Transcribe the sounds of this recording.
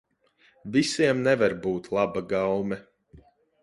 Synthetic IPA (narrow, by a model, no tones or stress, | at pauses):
visiɛmnɛvaɾbuːt̪lˠabaɡawmɛ